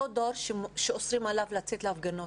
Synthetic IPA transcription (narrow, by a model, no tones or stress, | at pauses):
od̪oɾʃʃeosʁimalavlat͡set̪leafɡano